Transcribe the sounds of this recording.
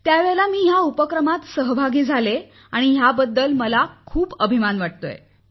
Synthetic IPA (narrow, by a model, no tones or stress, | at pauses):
t̪jaʋeɭlamiːɦjaupəkɾəmat̪səɦbʱaɡiːd͡zʱale | aɽ̃iɦjabəd̪ːəlməlakʰuːpəbʱimanʋaʈ̚t̪o̰jḛ